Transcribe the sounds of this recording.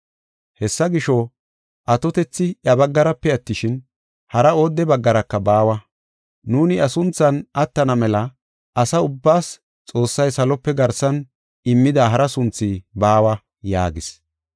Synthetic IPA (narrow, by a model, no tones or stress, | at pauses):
hɛsːɐɡɪʃɔ | ʔɐt̪ɔt̪ɛt͡sːɪjɐbɐɡːɐɾɐpːɛɐt̪ːɪʃɪn | hɐɾɐoːd̪ːɛbɐɡːɐɾɐkːɐbaːwɐ | nuːnɪɐsʊnt͡sːɐnɐt̪ːɐnɐmɛlɐ | ʔɐsɐʊbːaːs | t͡sʼo̞ːsːɐjsɐlɔpːɛɡɐɾsɐn | ɪmːɪd̪aːɦɐɾɐsʊnt͡sːiːbaːwɐ | ja̰ːɡɪs